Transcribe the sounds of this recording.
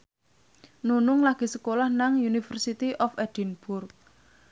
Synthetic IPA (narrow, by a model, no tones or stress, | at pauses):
nunʊŋlaɡ̥i̤səkolahnaŋjunifərsit̪iʔɔfɛd̥inb̥ʊrk̚